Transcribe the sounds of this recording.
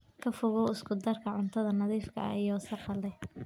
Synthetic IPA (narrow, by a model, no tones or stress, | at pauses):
kʰɐfʊɣɔwɪskʰʊd̪ɐrkʰɐʕʊnt̪ʰɐðɐnɐðiːfkʰɐ̰jɔːsɐqɑlɛ